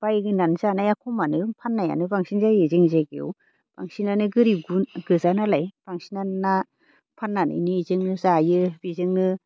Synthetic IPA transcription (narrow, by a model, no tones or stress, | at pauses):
b̥ajɡɯnanzanajakʰɔmanɯpʰanːaja̰nɯbaŋsinzajezɯŋzaɡḛw̰ | b̥a̰ŋsinanɯɡɯɾiɡuɡɯzanalajb̥aŋsinana | pʰanːanɯ̰jnɯizɯŋnɯzajɯbizɯŋnɯ